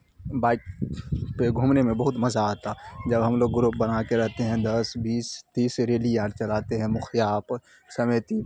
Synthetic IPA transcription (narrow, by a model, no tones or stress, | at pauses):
baːɪkpeɡʱuːmnemẽbɐɦʊt̪mɐzaaːt̪ad͡ʒɐbɦɐmloːɡːɾup̚bɐnakeɾɛɦt̪eɦɛ̃d̪ɐsbiːst̪iːsɾeːlijaːɾt͡ʃɐlaːt̪eɦɛ̃mʊxjaːp | sɐmeːt̪i